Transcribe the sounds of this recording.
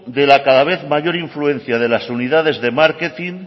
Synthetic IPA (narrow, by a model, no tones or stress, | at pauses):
d̪e̞lakaðaβ̞e̞θmaʝo̞ɾiɱflue̞n̟θjað̞e̞lasuniðað̞e̞zðe̞maɾket̪in